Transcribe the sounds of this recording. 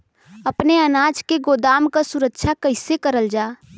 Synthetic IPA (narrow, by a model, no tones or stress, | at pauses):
əpneənaːd͡ʒkeɡoːd̪aːmkasʊɾəkʃʰakəɪsekəɾəld͡ʒaː